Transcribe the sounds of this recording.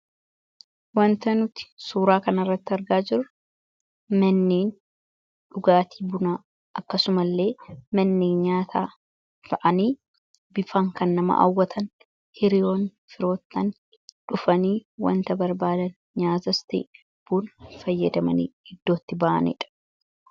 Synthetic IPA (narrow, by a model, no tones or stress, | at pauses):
wɐnt̪ɐnʊt̪ɪ̥suːɾaːkɐnɐrːɐt̪ːɪɐɾɡaːd͡ʒɪɾɐ | mɐnːeːn | ᶑʊɡaːt̪ʰi̥ːbʊnaː | ʔɐkːɐsʊmɐlːe̞ːmɐnːeːnɲaːt̪ʰaː | fɐʔɐniː | bɪfaːŋkɐnːɐmɐ̰ʔɐ̰wːɐt̪ʰɐn | hɪɾɪjo̞ːn | fɪɾo̞ːt̪ːɐn | ᶑʊfɐniːwɐ̰nt̪ɐbɐɾbaːd̪ɐn | ɲaːt̪ɐst̪ḭː | b̥uːnfɐjːɐd̪ɐmɐnḭːhɪd̪ːo̞ːt̪ːɪbɐʔɐ̰nɪ̰ᶑɐ̥